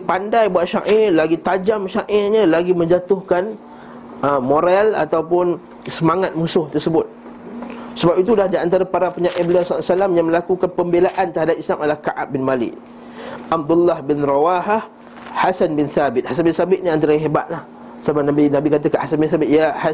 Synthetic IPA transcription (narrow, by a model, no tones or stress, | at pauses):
pandajbuaʔ̪ʃa̰ʔɪlaɡit̪ad͡ʒamʃaʔɪɲəlaɡimə̃ɲd͡ʒat̪ʊhkan | əmoɾala̰t̪awpʊn | səmaŋat̪̚mũsʊht̪ərsəbʊt̪̚ | səbapit̪̬ulahdiant̪̬aɾapaɾapəɲaʔɪblasasəlamjaŋmə̃lakukanpəmbelaʔant̪əɾɦadap̚islamalahkaʔa̰p̚bɪnmalɪ̰ʔ | ʔab̚d̪ulːahbɪnrawaɦah | hasanbɪnθabɪt̪̚hasanbɪnsabɪt̪̚ɲə̃ant̪aɾəɦeba̰t̪̚lah | sabanabinabikat̪̬əkanhasanbɪnθabɪt̪ijaha